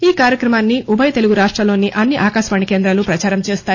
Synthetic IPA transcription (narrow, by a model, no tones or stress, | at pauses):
iːkaːɾjɐkɾɐmaːnːiʔubʱɐjt̪e̞luɡuɾaːʂʈɾɐlo̞ːnːiʔɐnːiʔaːkaːʃʋaːɳikeːnd̪ɾɐlupɾɐt͡ʃaːɾɐmt͡ʃeːst̪aː